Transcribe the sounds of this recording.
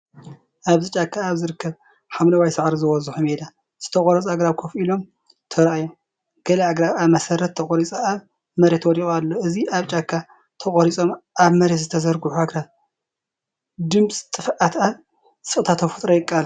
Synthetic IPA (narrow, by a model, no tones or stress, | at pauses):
ʔaβzɨt͡ʃʼakʰːaːβzɨɾɨkːɐβ | ħamlɐwajsɨʕɾizɨwɔzuħumed̪a | z̥ɨ̥t̪ʰɐχʼɔɾɐt͡sʼaɡɾaβkʰofilo̞m | t̪ʰɐɾʔajo | ɡ̥ɐlɐaɡɾaβaβmɐsɐɾɐt̪ːʰɐχʼoɾit͡sʼaaβ | mɐɾet̪wɔd̪ixʼalːoʔɨziaβt͡ʃʼakʰːa | t̪ʰɐχʼɔɾit͡sʼomʔaβmɐɾet̪zɨt̪ʰɐzɐɾɡuħuaɡɾaβ | d̪ɨmsʼt̪ʼɨfʔat̪aβ | sʼɨχʼt̪ʰat̪ʰɐfu̥t̪ʼɾɐjɪkʼal